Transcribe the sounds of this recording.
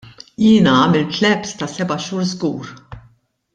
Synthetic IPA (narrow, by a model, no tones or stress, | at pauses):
jɪːnɐɐːmɛlt̪lɛpst̪ɐsɛbɐʃuːɾzɡuːɾ